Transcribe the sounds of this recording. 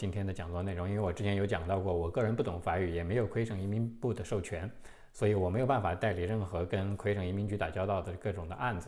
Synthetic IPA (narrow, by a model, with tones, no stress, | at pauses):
t͡ɕi˥nt̪ʰjɛ˥nd̪ə˨t͡ɕjɑ˨˩ŋt͡swɔ˥˧ne˥˩ʊ˧˥ŋ˥i˥n˥e˥˩wɔ˨˩ʈ͡ʂɻ̩˥t͡ɕʰɛ˧˥njo˧˥ʊt͡ɕjɑ˨˩ŋt̪ɑ˥˧ʊkwɔ˥˩wɔ˨˩kɤ˥˩ɻə˧˥npu˥˩t̪ʰʊ˨˩˥ŋfa˧˥y˨˩jɛ˨˩me˧˥ɪjo˨˩ʊkʰwe˥ɪʂɤ˥˩ŋi˧˥mi˧˥npu˥˩d̪ə˩ʂo˥˩ʊt͡ɕʰɥɛ˧˥n | swɔ˧˥i˧˥wɔ˨˩me˧˥ɪjo˨˩pa˥˩n˩fa˨˩t̪a˥˩ɪli˨˩ɻə˥˩nxɤ˧˥kə˥nkʰwe˥ɪʂɤ˥˩ŋi˧˥mi˧˥nt͡ɕy˧˥t̪a̰˨˩t͡ɕjɑ˥ʊt̪ɑ˥˩ʊd̪ə˩kɤ˥˩ʈ͡ʂʊ˨˩ŋd̪ə˦ʔa˥˩nd͡zɹ̩˨˩